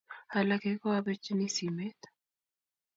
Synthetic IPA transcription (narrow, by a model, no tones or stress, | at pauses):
hɐlɐkeːkoɐbɐt͡ʃːɪnisiːmet̪